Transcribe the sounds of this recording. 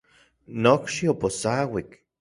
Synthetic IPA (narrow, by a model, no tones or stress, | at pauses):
nokʃioposawik